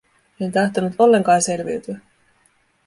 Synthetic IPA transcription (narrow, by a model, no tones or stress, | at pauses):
ent̪ɑht̪onut̪o̞lːe̞ŋkɑːnse̞lʋḭɥt̪yæ